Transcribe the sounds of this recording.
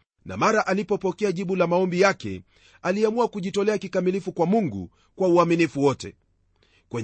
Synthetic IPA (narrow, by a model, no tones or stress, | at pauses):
na̰maɾaʔalipɔpɔkɛaʄiɓulamaɔmbijakɛ̰ | aliamuakuʄitɔlɛakikamilifukwamuŋɡṵ | kwauaminifuwɔtɛ̰ | kwɛ